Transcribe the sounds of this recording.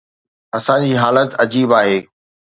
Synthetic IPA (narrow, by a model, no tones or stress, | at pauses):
ɐsãd͡ʑiːɦaːlət̪ɐd͡ʑiːbaːɦeː